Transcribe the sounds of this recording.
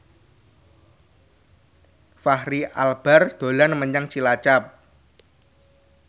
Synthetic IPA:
fahɾiʔalb̥ard̪̥o̤lanməɲaŋt͡ʃilat͡ʃap̚

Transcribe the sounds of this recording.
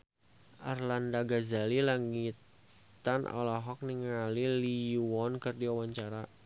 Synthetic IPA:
ʔarlandaɡazalilaŋit̪ | anʔɔ̰lɔɦɔk̚niŋaliliwɔnkɨrdiawaɲt͡ʃaɾa

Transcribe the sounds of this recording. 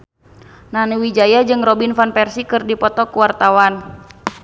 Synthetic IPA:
nanuwid͡ʒajad͡ʒɨŋrɔbinfanpɛrsikɨrdipɔt̪ɔkuwart̪awan

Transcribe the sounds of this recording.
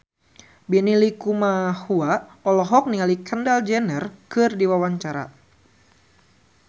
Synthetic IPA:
bɛnilikumahuaɔlɔɦɔk̚nialikʰəndald͡ʒɛnərkɨrdiwawaɲt͡ʃaɾa̰

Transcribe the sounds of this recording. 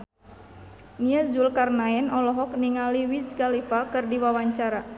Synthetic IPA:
niazulkarnaɛnɔlɔɦɔk̚niŋaliwiskalifakɨrdiwawaɲt͡ʃaɾa

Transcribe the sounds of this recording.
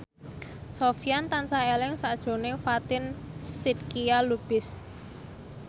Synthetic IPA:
sofijant̪ansaelɪŋsad̥ʒ̥o̤nɪŋfat̪ɪnsit̪̚kialub̥ɪs

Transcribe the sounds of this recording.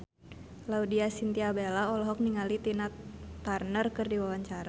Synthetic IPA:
laudiasint̪iabelaɔlɔɦɔk̚niŋalit̪inat̪arnərkɨrdiwawaɲt͡ʃaɾa

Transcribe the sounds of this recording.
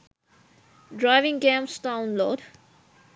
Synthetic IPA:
dɹaɪvɪ̃ŋɡẽmstãʊ̃nlɔːd

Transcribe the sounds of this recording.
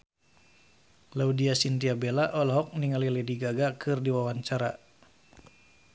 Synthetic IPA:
laudiasint̪iabelaʔɔlɦɔk̚niŋalilɛdiɡaɡakʰɨrdiwawaɲt͡ʃaɾa

